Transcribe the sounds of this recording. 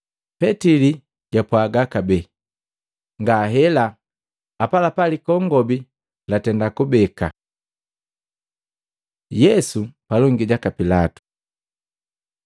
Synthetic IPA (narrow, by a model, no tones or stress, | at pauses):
pɛtili | ɟ̥apwaɡakabɛ | ŋɡaɦɛla | apalapalikɔŋɡɔbi | latɛndakubɛka̰ | jɛsupalɔŋɡiɟakapilatu̥